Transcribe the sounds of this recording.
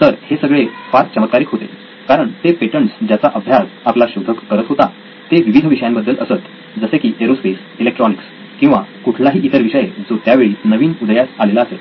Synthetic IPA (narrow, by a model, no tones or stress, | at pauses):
t̪əɾhesəɡɭefaɾt̚t͡ɕəmət̪̚kaɾiːkɦot̪ḛ | kaɾəɳt̪epeʈəɳsd͡ʑjat͡saʔəbʱjaɾaplaɕud̪ʱəkːəɾət̪ɦot̪a̰ | t̪eʋiʋid̪ʱəʋiʂəjãmbəd̪ːələsət̪ | d͡zəsekiːʔeɾospes | ilekʈɾɔniks | kĩw̃ʋakuʈʰlaɦiːʔit̪əɾʋiʂəjed͡zot̪jaʋeɭiːnəʋiːnud̪jat̪alelaːse